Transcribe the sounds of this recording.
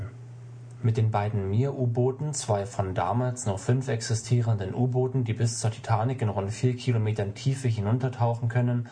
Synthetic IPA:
mɪt̚d̥eːnbaɪdn̩miːɐʔuːboːtn̩t͡sv̥aɪfɔnda̰ːmaːlsnɔfʏnfʔɛksɪstʰiːʁəndənʔuːboːtn̩diːbɪst͡suːɐtʰi̥tʰaːnɪkɪnʁʊntfiːɐkʰilomeːtɐntʰiːfəɦɪnʊntɐtʰaʊxn̩kʰœnən

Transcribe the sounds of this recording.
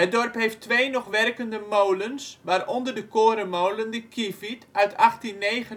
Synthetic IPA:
ɦədɔrpɦeːftʋeːnɔxʋɛrkəndəmowlənsʋaːrɔndərdəkoːɾəmowləndəkʰifitœɥtʰaxtinːeːɣə

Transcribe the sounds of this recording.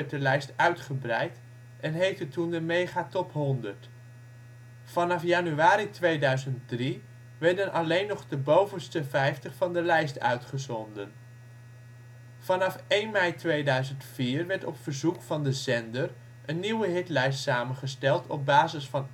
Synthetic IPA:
ɛt̚dəlɛjstœɥtχəbrɛjt | ɛnɦejftətundəmejχatɔpɦɔndəɹt | fɑnɑfjanyaːɾitʋejdœɥzənt̚dri | ʋɛɹdənʔɑlejnːɔχdəbowvənstəvɛjftəχfɑndəlɛjstœ̰ɥtχəzɔndən | fɑnɑfejnmɛjtʋejdœɥzəntfiːɹʋɛɹtɔpfəɹzukfɑndəzɛndəɹ | ʔənːiwəɦɪtlɛjstsaːmənχəstɛlˠtʰɔ̰b̚baːzɪsfɑn

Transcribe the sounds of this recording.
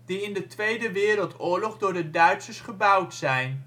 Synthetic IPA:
d̥iɪndətʋejdəʋɪːɾəlˠtʊːɹlɔχdʊːɹdədœɥtsəsχəbʌwtsɛjn

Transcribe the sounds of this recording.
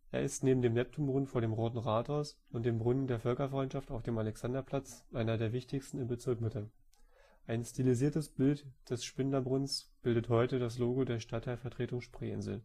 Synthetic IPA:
ʔḛːɐɪstneːbm̩deːmnɛp̚tʰʊmbʁʊnfoːɐɾeːmʁoːtn̩ʁaːtaʊs | ʊntd̥eːmbʁʊnəndeːɐfœlkɐfʁ̥ɔʏntt͡ʃʃaftaʊfd̥eːmalɛksandɐpʰl̥at͡sʔaɪnɐdeːɐvɪçtɪçstn̩ɪmbət͡sɪɐkmɪtə | ʔaɪnstiliziːɐtəsb̥ɪltd̥ɛsʃpɪndɐbʁʊnsb̥ɪldəthɔʏtədas̬loːɡodeːɐʃtatʰːaɪlfɛɐtʁ̥eːtʊŋʃpʁ̥ḛːʔɪ̰nzl̩

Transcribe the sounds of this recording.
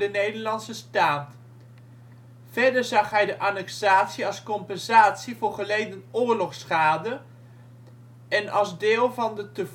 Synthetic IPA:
dənejdəɹlɑnsəstaːt | v̥ɛɹdəɹzɑχɦɛjdəʔaːnɛksaːtsiɑlˠskɔmpɛnzaːtsivʊːɹχəlejdənʊːɹlɔχsχaːdə | ɛnɑlˠzdɪːlˠvɑndətəv

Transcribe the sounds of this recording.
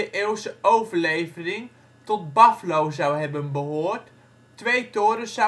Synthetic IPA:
əʔeːwsəowvərlejvərɪŋ | tɔt̚baflowzawɦɛbənbəɦoːrtː | ʋejtoːɾəsa

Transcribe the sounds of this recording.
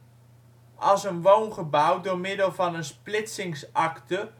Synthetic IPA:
ʔɑlˠsənʋownχəbawdʊːɹmɪdəlˠvɑnənsplɪtsɪŋsʔɑktə

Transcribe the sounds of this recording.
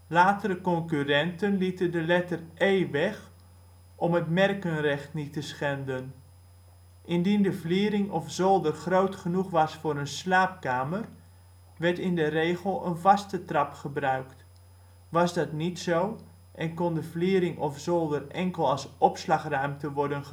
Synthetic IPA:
laːtəɾəkɔŋkyrɛntənlitəndəlɛtərejʋɛχ | ɔmɦətmɛrkənrɛχtnitəsχɛndən | ʔɪndindəvliːɾɪŋɔfzolˠdərχrowtχənuχʋɑsfʊːɾənslaːp̚kaːmər | ʋɛɹtɪndəreːχəlˠə̰nvɑstətrɑpχəbrœɥkt | ʋɑsdɑtnitsow | ʔɛnkɔndəvliːɾɪŋɔfz̥olˠdərɛŋkəlˠɑlˠsɔpslɑχrœɥmtəʋɔɹdənə

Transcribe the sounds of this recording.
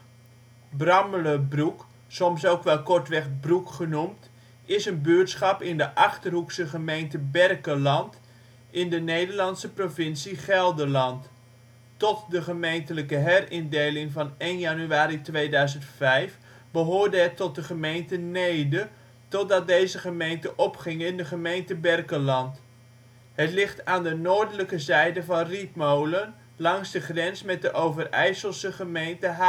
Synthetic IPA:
brɑmələbruk | sɔmsowkʋɛlˠkɔɹtʋɛχbrukχənumt | ɪsənbøːɹtsχɑpɪndəʔɑχtərɦuksəχəmejntəbɛrkəlɑnt | ʔɪndənejdəɹlɑntsəprovɪnsiχɛlˠdəlɑntː | ɔtdəχəmejntələkəɦɛrɪndejlɪŋvɑnejnjanyaːɾitʋejdœɥzəntfɛjf | bəɦʊːɹdəɦɛtɔt̚dəχəmejntənejdə | tɔt̚dɑt̚dejzəχəmejntəʔɔpχɪŋɪndəχəmejntəbɛrkəlɑnt | ɦətlɪχtaːndənoːɹdələkəzɛjdəvɑnrip̚mowlən | lɑŋzdəχrɛnsmɛt̚dəʔowvərɛ̰jsəlˠsəχəmejntəɦa

